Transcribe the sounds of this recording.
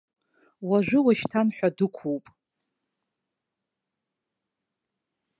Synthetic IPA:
waʒʷᶣʊwaʃtʰanħʷᶣadɨkʷʰuwpʼ

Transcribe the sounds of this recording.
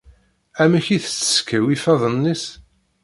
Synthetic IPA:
æməçiθt͡sːə̥skːəwifɑðˤənːis

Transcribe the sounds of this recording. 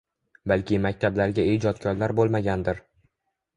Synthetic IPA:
balkʲʰɪmakʲt̪ʰablaɾɡʲaed͡ʒɒt̪kʰʲɒɾlaɾbolˠmaɡʲand̪ɪɾ

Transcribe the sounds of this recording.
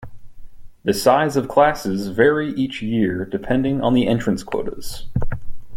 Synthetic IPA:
ðɨsaɪzʌv̥kʰl̥æsɪzvɛɹiʔit͡ʃjɪɹdɨpʰɛ̃ndɪ̃ŋə̰̃nðiʔɛ̃nt͡ʃɹ̥ɨ̃nskʰw̥o̰ʊɾə̰z̥

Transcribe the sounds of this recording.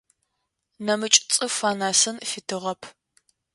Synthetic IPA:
nɐmɨt͡ʃʼt͡sʼɨfaːnaːsɨnfɪtʰɨʁɐpʰ

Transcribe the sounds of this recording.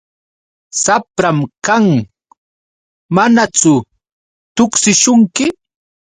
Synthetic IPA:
sapɾamkaŋ | manat͡sʊ | t̪ʊksɪʃʊŋkɪ

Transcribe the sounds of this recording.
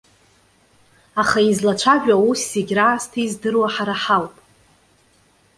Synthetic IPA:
aχaizlat͡ʃʷʰaʒᶣawusːeɡʲraːstʰizdɨrwaħaɾaħawpʼ

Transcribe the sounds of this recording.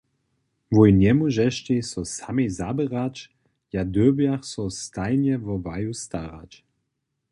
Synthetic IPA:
vujnɛmuʒɛʃtesɔsamezabəʁat͡ʃ | jad̪øbjaxsɔst̪ajnjɛvɔvajust̪aʁa̰t͡ʃ

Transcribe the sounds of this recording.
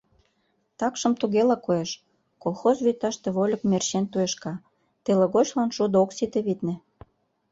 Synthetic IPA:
t̪ɑkʃəmt̪uɣelɑkoeʃ | kolˠxozβyt̪ɑʃt̪ĕβolʲə̆kmerɕent̪ueʃkɑ | t̪eleɣot͡ɕlɑnʃud̪oksit̪eβit̪nĕ

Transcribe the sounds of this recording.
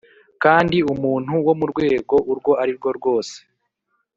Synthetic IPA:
kaːndiumuːn̥huwo̞muɾɡwe̞ːɡo̞ʔuɾɡwo̞aɾiɾɡo̞ɾɡo̞ːse̥

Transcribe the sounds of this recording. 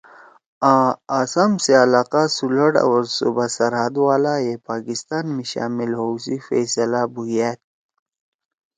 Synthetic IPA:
ãːaːsamseɐlaːqasuləɽa̰wɾsubasɐɾɦəd̪waːlajepaːkist̪aːnmiɕa̰ːmilɦowsifesɐlabujeːt̪̚

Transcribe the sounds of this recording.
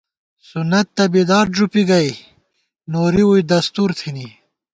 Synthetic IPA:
sunɐt̪ːɐbed̪ɑːɾd͡ʒupiɡɐj | noɾiwujd̪ɐst̪uɾt̪ʰini

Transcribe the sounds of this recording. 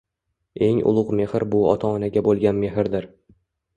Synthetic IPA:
e̞ŋʊ̰lˠʊqme̞hɪɾbʊɒ̰t̪ʰaːnaɡʲabolˠɡʲanme̞ɦɪɾd̪ɪɾ

